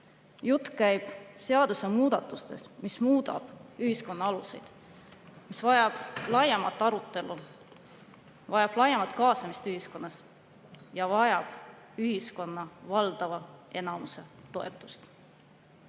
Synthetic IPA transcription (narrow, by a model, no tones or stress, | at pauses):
jut̪ːˑkæjb̥seɑd̪̥usemuːd̪ɑt̪ːˑust̪e̞̰smismuːd̪̥ɑ̰b̥yhisko̞nːɑɑluse̞̰jd̪̥ | misvɑjɑb̥lɑjɑmɑt̪ːˑɑɾut̪ːˑe̞lu | vɑjɑb̥lɑjɑmɑt̪ˑkɑːsɑmist̪yɦisko̞nːɑs | jɑvɑjɑb̥ | yɦisko̞nːɑvɑld̪̥ɑvɑe̞nɑmuse̞t̪o̞e̞̰t̪ːˑu̥st̪